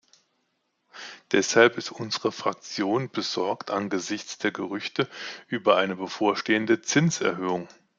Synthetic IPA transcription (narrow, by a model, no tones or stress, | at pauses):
d̥ɛshalpɪstʔʊnzəʁəfʁ̥ak̚t͡sjoːnb̥əzɔɐktʔanɡəzɪçt͡sd̥eːɐɡəʁ̞ʏçtəʔyːbɐʔaɪnəbəfoːɐʃteːəndət͡sɪnsɛɐɦøːʊŋ